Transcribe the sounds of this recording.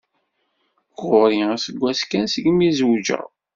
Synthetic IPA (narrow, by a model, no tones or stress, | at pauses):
ɣʊɾiæsəɡʷːæskænsəɡmizwd͡ʒə̰ɾ